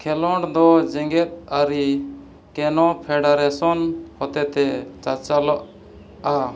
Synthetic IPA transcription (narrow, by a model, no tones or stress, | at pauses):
kʰɛlɔɳɽd̪ɔd͡ʒɛŋɡɛt̪̚aɾi | kɛnɔpʰɛɖaɾɛsɔnhɔt̪ɛt̪ɛt͡ʃat͡ʃalɔʔ | a